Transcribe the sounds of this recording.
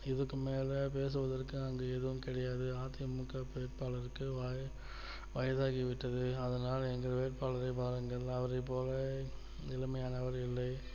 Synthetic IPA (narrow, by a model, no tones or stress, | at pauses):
ɪðɯkːɯmeːlɐpeːs̬ɯʋɐðɐrkɯɐŋɡeːɛðɯʋɯmkɪɽɐjaːðɯaːt̪ɪjɐmːɯkːɐpʋeːʈ̚paːlɐɾɯkːɯʋaː | ʋɐjɐðaːɣiʋɪʈːɐðɯɐðɐnaːlɐɛŋɡɐɾɐʋeːʈ̚paːlɐɾɐɪpaːɾɯŋɡɐɭɐʋɐɾɐɪpːoːlɐ | ɪlɐmɐjaːnɐʋɐɾɪlːɐɪ